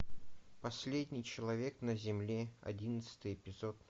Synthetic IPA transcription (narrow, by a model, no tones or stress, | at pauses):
pɐsʲlʲedʲnʲɪjt͡ɕɪlˠɐvʲe̞knəzʲɪmlʲeɐ̰dʲinət̪sɨ̥t̪ɨjɪpʲɪzot̪